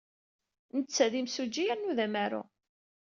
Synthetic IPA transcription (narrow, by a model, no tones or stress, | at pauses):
nət͡sːæðimsud͡ʒːiæɾnuðæmæɾʊ̰